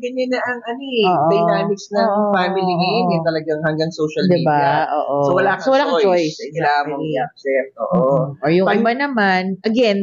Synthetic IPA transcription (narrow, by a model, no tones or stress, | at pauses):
ɡɐɲːɐnɐʔɐŋʔɐnooːʔd̪ɐjnaːmɪksnɐŋfamɪliɡɐɛt̪ɐlɐɡaŋhɐŋɡɐŋsoːʃɐld̪ɪibaʔoːʔosowɐlasowɐlakd͡ʒojssɡamɐaksɛʔo̰ːʔoʔoɹjʊŋɪbanɐmanʔɐɡɛn